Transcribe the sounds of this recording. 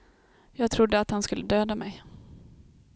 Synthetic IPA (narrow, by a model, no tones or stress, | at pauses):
jɑːɡt̪ʰɾʊd̪ːəat̪hanskɵlːəd̪øːd̪amɛj